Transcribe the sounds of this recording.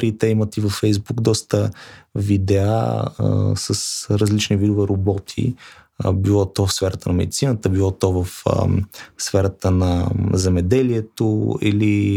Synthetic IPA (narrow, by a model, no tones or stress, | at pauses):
ɾit̪ɛimət̪ivɐfːɛjzbukd̪ɔst̪əvid̪ɛa̰ | səsɾəzlit͡ʃnivid̪ovɛɾobɔt̪ʰḭ | bilˠɔt̪ɔvɐfsfɛɾət̪ənɐmɛ̰d̪it̪sinət̪əbilˠɔt̪ɔvɐfsfɛɾət̪ənɐzɛmɛd̪ɛliɛt̪oḭli